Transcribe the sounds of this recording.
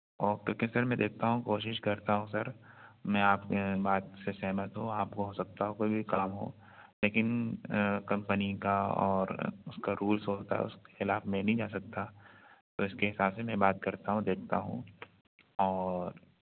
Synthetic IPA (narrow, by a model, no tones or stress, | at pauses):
ɔːɾkjoːkesɐɾmɛ̃d̪eːk̚ʰt̪aɦũkoːʃɪʃkɐɾt̪aɦũsɐɾmɛ̃aːpkbaːt̪sesɛɦmət̪ɦũaːpkoɦoːsɐk̚t̪aɦokoːibʱikaːmɦo̰ː | leːkɪn | kɐ̃mpənikaɔ̰ːɾʊskaɾuːlsoːt̪a̰ɦɛ̰ʊ̰ske̥xɪlaːfmẽnɐɦĩd͡ʒaːsɐk̚t̪at̪oɪskeɦɪsaːbsemɛ̃baːt̪̚kɐɾt̪aɦũd̪eːk̚ʰt̪a̰ɦṵ̃ | ɔːɾ